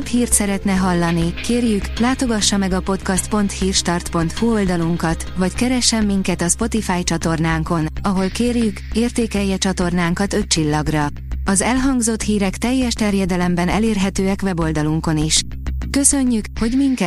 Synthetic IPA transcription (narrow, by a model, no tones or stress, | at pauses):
phiːrt̪sɛɾɛt̪nɛɦɒlːɒnikeːrjyklaːt̪o̞ɡɒʃːɒmɛɡɒpot̪kɒst̪po̞nt̪hiːrʃt̪ɒrt̪po̞nt̪huo̞ld̪ɒluŋkɒt̪ʋɒckɛɾɛʃːɛmːiŋkɛt̪ɒspo̞t̪ifaːjt͡ʃɒt̪o̞rnaːŋko̞nɒɦo̞lkeːrjykeːrt̪eːkɛjːɛt͡ʃɒt̪o̞rnaːŋkɒt̪ø̞t̚t͡ʃilːɒɡrɒ | ɒzɛlɦɒŋɡzo̞t̪hiːɾɛkt̪ɛjːɛʃt̪ɛrjɛd̪ɛlɛmbɛnɛleːrɦɛt̪øːɛkʋɛbo̞ld̪ɒluŋko̞niʃ | kø̞sø̞ɲːykho̞ɟmiŋkɛ